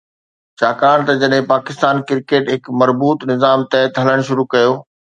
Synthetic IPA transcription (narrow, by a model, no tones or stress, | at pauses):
t͡ɕʰaːkaːɽ̃t̪ɐd͡ʑɐɗɦɪ̃paːkɪst̪aːnkɪɾkeːʈɦɪkmɐɾbuːt̪nɪzaːmt̪ɛɦt̪ɦɐləɽ̃ʃʊɾukɐjoː